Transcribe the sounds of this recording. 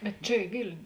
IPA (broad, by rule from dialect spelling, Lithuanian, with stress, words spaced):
bʲɛt ˈt͡ʃʲɛ ɪ ˈʋʲɪlʲnʲʊ